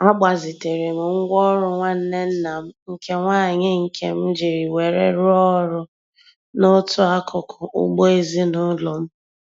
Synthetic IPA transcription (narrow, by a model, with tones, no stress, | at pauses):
a˦ɡ͡ba˨zɪ˨te˨ɾe˨m̩˨ŋ̩˦ɡʷɔ˦ɾʊ˦ŋʷa˦n̩˦ne˦n̩˦na˨m̩˦ŋ̩˦kʰe˦ŋʷaː˦˨ɲɪ˦ŋ̩˨kʰḛ˦m̩˦d͡ʒi˨ɾi˨we˨ɾḛ˦ɾʊ˦ɔ˦ɾʊ˦ | nʊ˦tʰʊ˦a˦kʰʊ˨kʰʊ˨ʔʊ̰˦ɡ͡bo˦e˦zi˦nʊ˦lɔ˨m̩˦